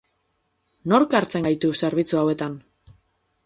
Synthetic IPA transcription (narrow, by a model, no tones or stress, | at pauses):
no̞ɾkaɾt͡se̞ŋɡajt̪use̞ɾβ̞it͡suawe̞t̪an